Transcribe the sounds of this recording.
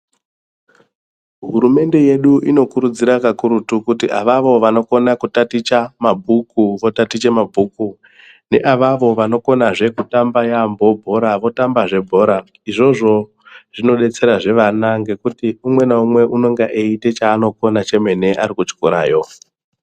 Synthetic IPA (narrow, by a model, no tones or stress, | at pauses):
ɦuɾume̞nde̞je̞ɗuʔino̞kuɾud͡ziɾakakuɾutukutiʔaʋaʋo̞ʋano̞ko̞nakutatit͡ʃamabʱukuʋo̞tatit͡ʃe̞mabʱuku | ne̞̰ʔaʋaʋo̞ʋano̞ko̞naʐe̞kutambajambo̞bʱo̞ɾaʋo̞tambaʐe̞bʱo̞ɾa | iʐo̞ʐo̞ | ʐ̥ino̞ɗe̞t͡se̞ɾaʐe̞ʋanaŋɡe̞kutiumwe̞naumwe̞ʔuno̞ŋɡeʔeite̞t͡ʃaːno̞ko̞nat͡ʃe̞me̞ne̞ʔaɾikut͡ʃkoɾa̰ːjo̞